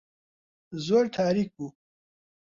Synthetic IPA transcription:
zoːɾt̪ʰaːɾik̚bu

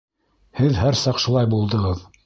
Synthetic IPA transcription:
hɘðɦæɾsɑqʃulˠɑjbulˠd̪ɤ̆ʁɤð

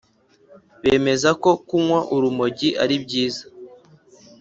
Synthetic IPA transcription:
βeːme̞zako̞kumwaʔuɾumo̞ɟiʔaɾibɟiːzḁ

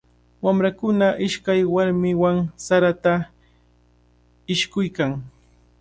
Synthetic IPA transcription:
wamɾakʊnaʔɪʃkajwaɾmɪwaŋsaɾat̪a | ɪʃkʊjkaŋ

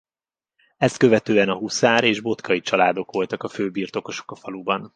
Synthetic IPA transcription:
ɛst̪kø̞vɛt̪øːɛnɒɦusaːɾeːʒbo̞t̪kʰɒit͡ʃɒlaːd̪o̞kʋo̞lt̪ɒkɒføːbiːrt̪o̞ko̞ʃo̞kɒfɒlubɒn

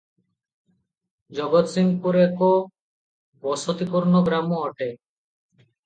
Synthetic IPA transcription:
d͡ʑɔɡot̪siŋpuɾeko | bɔsot̪ipuɾnoɡɾamoɔʈe

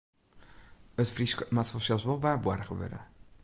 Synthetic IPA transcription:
ətfriskmatfɔsɛlˠsʋɔlˠʋaːbwa̰rəχəʋø̰də̰

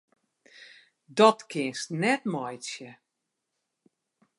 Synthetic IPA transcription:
dɔtkʰɪənsnɛtmɔjsjə

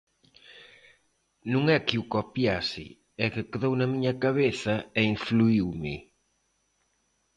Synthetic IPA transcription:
nũŋɛkiukopjasɪ̰ | ɛkɪkeðownɐmiɲɐkaβeθɐɛiɱfluiwmɪ

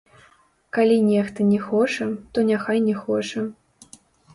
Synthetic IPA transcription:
kalʲinʲɛxt̪ɐnʲɛxɔt͡ʂɐt̪ɔnʲaxajnʲɛxɔt͡ʂɐ

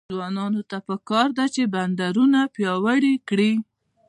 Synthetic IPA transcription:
wɑnɑnot̪apəkɑɾd̪at͡ʃeband̪aɾunapjɑwəɽikɽi

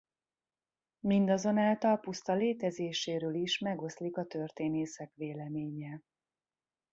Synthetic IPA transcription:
mind̪ɒzo̞naːlt̪ɒlpust̪ɒleːt̪ɛzeːʃeːɾøːliʃmɛɡo̞slikɒt̪ø̞rt̪eːneːsɛkʋeːlɛmeːɲɛ

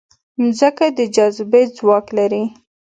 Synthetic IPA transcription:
zəkad̪əd͡ʒazbed͡zwɑklaɾi

